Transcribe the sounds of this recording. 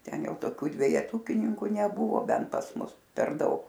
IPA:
ˈtʲɛn ˈjɛʊ toːˈkʲuː dʲʋʲɛjɛˈtʊkʲɪnʲɪŋkʊ nʲɛˈbʊʋoː ˈbʲɛnt pɐs ˈmʊs pʲɛr ˈdɐʊk

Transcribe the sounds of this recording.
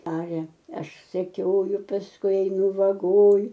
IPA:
ˈɑːrʲɛ ˈɐʃ sʲɛˈkʲoːjʊ pɐsˈkʊɪ ɛɪˈnʊ ʋɐˈɡoːj

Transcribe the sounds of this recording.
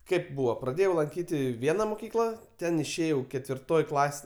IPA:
ˈkʲeːp ˈbuːʋoː prɐˈdʲeːjɛʊ lˠɐŋʲˈkʲiːtʲɪ ˈʋʲiɛnɐ mʊˈkʲiːklˠɐ ˈtʲɛn ɪʃʲˈeːjɛʊ kʲɛtʲʋʲɪrˈtoːj ˈklˠɐs

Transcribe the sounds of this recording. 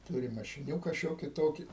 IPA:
ˈtuːrʲɪm mɐʃʲɪˈnʲuːkɐ ˈʃʲoːkʲɪ ˈtoːkʲɪ

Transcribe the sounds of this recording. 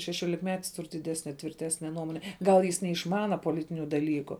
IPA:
ʃʲɛʃʲoːlʲɪkˈmʲæːtʲɪs ˈtʊr dʲɪˈdʲæːsʲnʲɛ tʲʋʲɪrʲˈtʲæːsʲnʲɛ ˈnuɔmoːnʲɛ ˈɡɐlˠ jɪs nʲɛɪʃˈmɑːnɐ poːˈlʲɪtʲɪnʲʊ dɐˈlʲiːkʊ

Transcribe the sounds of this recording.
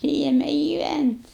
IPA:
ˈpʲrʲiːɛmʲɛ ɡʲɪˈʋʲænʲtʲ

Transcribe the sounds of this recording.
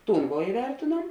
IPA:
ˈtuːn ʋoː ɪˈʋʲɛrʲtʲeːnuɔm

